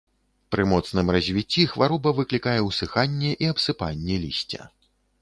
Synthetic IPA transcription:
pɾɨmɔt̪snɨmrɐzʲvʲit͡sʲːixvaɾɔbɐvɨklʲikajɛwsɨxanʲːɛʔiɐpsɨpanʲːɛlʲḭsʲt͡sʲɐ̰

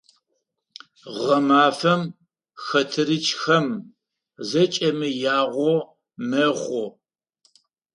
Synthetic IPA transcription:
ʁɐmaːfɐm | xɐtʰɨɾɨt͡ʃʰʼxɐm | zɐt͡ʃʼɐmɨjaːʁʷɔ | mɐχʷɔ

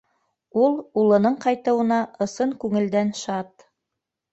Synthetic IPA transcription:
ulˠulˠɤ̆nɤɴqɑjt̪ɤ̆wɤ̆nɑʔɤ̆sɤŋkʉŋɘ̆ld̪ænʃɑt̪

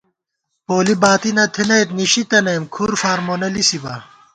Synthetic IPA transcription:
poːlibaːt̪inɐt̪ʰinɐjt̪niɕit̪ɐnɐːmkʰuːɾfaːɾmonɐlisibɐ̰

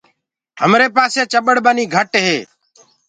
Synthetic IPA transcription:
ɦəmɾeːpaːseːt͡ʃəɓəɽɓəniːɡʱəʈɦeː

